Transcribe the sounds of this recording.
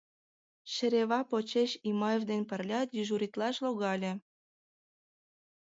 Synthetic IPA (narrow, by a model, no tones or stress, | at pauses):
ʃĕɾeβɑpot͡ɕeʃimɑjevd̪enpə̆rlʲɑt̪jiʒuɾʲit̪lɑʃloɣɑlʲĕ